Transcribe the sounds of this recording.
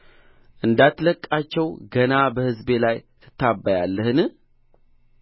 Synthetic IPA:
ʔɨnd̪at̪ləkʼːat͡ʃːɛwɡənabəhɨzbe̞lajt̪ʰɨ̥t̪ʰːabːajalːəhɨnɨ

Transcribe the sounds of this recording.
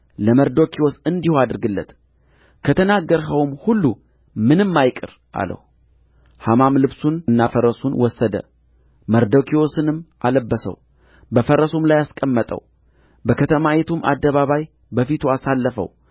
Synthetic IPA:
ləməɾd̪okʰiwosɨnd̪ihoad̪ɨɾɡɨlːə̰t̪ | kʰət̪ʰənaɡːəɾɦəwmhulːu | mɨnɨmːajkʼɨɾ | ʔa̰lə̰h | hamamlɨβsunɨnːafəɾəsunwɔsːəd̪ə̰ | məɾd̪okʰiosɨnɨmʔaləbːəsə̰w | bəfəɾəsomlajaskʼəmːət̪ʼə̰w | bəkʰət̪ʰəmajet̪ʰumʔa̰d̪ːəβaβaj | bəfit̪ʰuasalːəfə̰w

